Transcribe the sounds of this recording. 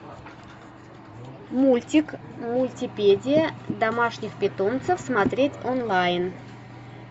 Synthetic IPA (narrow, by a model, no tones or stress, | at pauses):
mulʲtʲɪkmulʲtʲɪpʲedʲɪjəd̪amaʂnʲɪxpʲɪt̪o̞mt̪səfsmat̪ɾʲetʲonlˠajn